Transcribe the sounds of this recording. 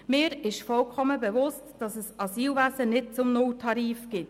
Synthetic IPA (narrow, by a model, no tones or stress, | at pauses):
mɪːɾɪʃfɔlkʰɔməbɛʋʊstd̥ɑsəsɑsiːlvæzənɪt̚t͡sʊmnʊltʰɑɾiːfɡ̥ɪt